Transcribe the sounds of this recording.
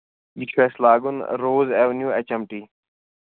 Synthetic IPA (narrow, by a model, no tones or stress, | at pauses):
jikʰfeːslaːɡʊnɾoːzeːʋnjuːet͡ɕɐmʈiː